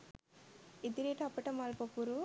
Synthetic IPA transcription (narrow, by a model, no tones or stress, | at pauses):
id̪iɾeʈʰɐpːɐʈɐmalpɐpːuɾu